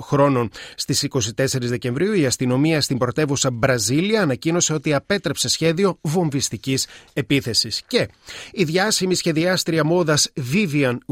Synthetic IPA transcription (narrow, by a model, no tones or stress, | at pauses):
xɾo̞no̞nst̪isiko̞sit̪e̞se̞ɾizðe̞cẽ̞ɱvɾiuiɐst̪ino̞miɐst̪imbɾo̞t̪e̞vusɐbɾɐziliɐːnɐcino̞se̞o̞t̪iɐpe̞t̪ɾe̞pse̞sçe̞ðio̞vo̞ɱvist̪icise̞piθe̞sisce̞iðʝɐsimisçe̞ðiɐst̪ɾiɐmo̞ðɐsviviɐn